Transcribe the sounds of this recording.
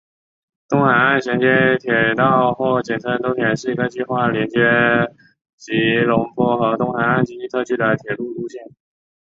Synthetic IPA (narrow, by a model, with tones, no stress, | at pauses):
t̪ʊ˥ŋxa˧˥na˥˩nɕjɛ˧˥nt͡ɕjɛ˥nt̪ʰjɛ˨˩t̪ɑ˥˧ʊxwɔ˥˩t͡ɕjɛ˨˩nt͡sʰə˧˥nt̪ʊ˥ŋt̪jɛ˧˥nʂɻ̩˥˩i˧˥ɡə˧t͡ɕi˥˧xwa˥˩ljɛ˧˥nt͡ɕjɛ˥ | t͡ɕi˧˥lʊ˧˥ŋpʰɔ˥˩xɤ˧˥t̪ʊ˥˧ŋxa˧˥na˥˩nt͡ɕi˥i˥˧t̪ʰɤ˥˧t͡ɕʰy˥˩d̪ə˩t̪ʰjɛ˨˩lu˥˩u˥ɕjɛ˥˩n